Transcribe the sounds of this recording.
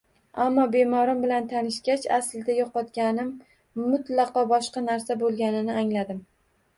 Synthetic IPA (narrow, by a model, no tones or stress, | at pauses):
amːɒbe̞mɒɾɪmbɪlant̪ʰanɪʃɡʲat͡ʃasɪld̪ajɒqɒt̪kʲanɪmː | ʊt̪lɑqɒbɒʃqɑnaɾsabolˠɡʲanɪnɪaŋlad̪ɪm